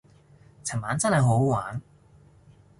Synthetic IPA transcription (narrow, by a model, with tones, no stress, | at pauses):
t͡sʰɐ˨˩maː˨˥nt͡sɐ˥nhɐ˨jɦo˨˥wwaː˨˥n